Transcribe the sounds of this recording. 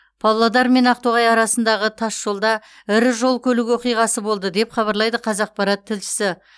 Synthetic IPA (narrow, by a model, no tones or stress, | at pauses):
pʰɑlˠːɑd̪ɑɾme̞nɑq̚t̪oʁɑjɑɾɑsənd̪ɑʁət̪ʰɑsʒo̞lˠd̪ɑ | ɪɾɪʒo̞lˠkʲʰɵlɪkʲwo̞qijʁɑsəbo̞lˠd̪əd̪e̞pχɑβɑɾlˠɑjd̪əqʰɑzɑq̚pɑɾɑt̪ʰːɪlʃɪ̥sɪ